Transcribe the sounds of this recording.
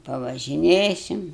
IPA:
pɐʋɐʒʲɪˈnʲeːsʲɪm

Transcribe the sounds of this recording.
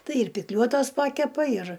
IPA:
ˈtɐɪ ɪr pʲɪkˈlʲuɔtoːs ˈpɑːkʲɛpɐ ɪr

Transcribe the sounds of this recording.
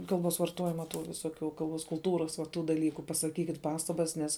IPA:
ˈkɐlˠˌboːs ʋɐrˈtoːjɪmɐ tuː ʋʲɪˈsoːkʲuː kɐlˠˈboːs kʊlˠˈtuːrɐs ʋɐ ˈtuː dɐˈlʲiːkʊ pɐsɐˈkʲiːkʲɪt ˈpɑːstɐbɐs ˈnʲɛs

